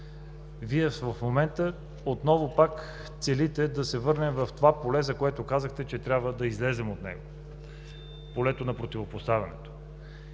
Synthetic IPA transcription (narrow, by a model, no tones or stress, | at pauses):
viɛvɐfmomɛnt̪ə | ot̪nɔvopak | t̪sɛlit̪ɛd̪ɐsɛvɤɾnɛmvɐft̪ovapolɛzɐkoɛt̪okazəxt̪ɛt͡ʃɛt̪ɾʲabvəd̪ɐizlɛzɛmot̪nɛ̰ɡo̰ | polɛt̪onɐpɾot̪ivopost̪avʲɛnɛ̰t̪o̥